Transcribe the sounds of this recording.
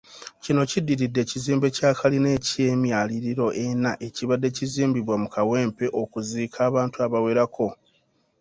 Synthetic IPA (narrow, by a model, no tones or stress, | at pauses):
cino̞cidːiɾidːe̞ciziːmbe̞caːkaline̞ːciemjaːliɾiɾo̞ʔe̞naʔe̞ciβadːe̞ciziːmbiβwamukawe̞ːmpe̞ʔo̞kuziːkʰaːβaːntuaβawe̞ɾakʰo̞